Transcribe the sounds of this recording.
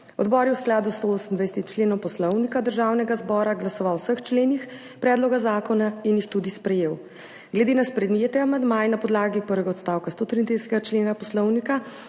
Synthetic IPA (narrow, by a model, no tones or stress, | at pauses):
ɔ̰d̪bɔːɾjɛwsklaːd̪ust̪ooːsən̩d̪vajsɛt̪it͡ʃleːnɔ̃mpɔslɔwnikad̪əɾʒawnɛɡazbɔːɾaɡlasɔʋawsəxt͡ʃleːnix | pɾɛːd̪lɔɡazaːkɔnainjixt̪ud̪ispɾɛjeːw | ɡlɛd̪enaspɾɛd̪mjeːt̪ɛamand̪majnapɔd̪laːɡipəɾʋɛɡaɔt̪st̪aːwkast̪oːt̪ɾiːnd̪izsɛt̪ɛɡat͡ʃleːnapɔslɔwnika